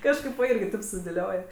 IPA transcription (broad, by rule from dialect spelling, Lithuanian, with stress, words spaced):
ˈkɑːʃkɐɪp ʋɐ ˈɪrʲɡʲɪ ˈtɐɪp sʊdʲeːˈlʲoːj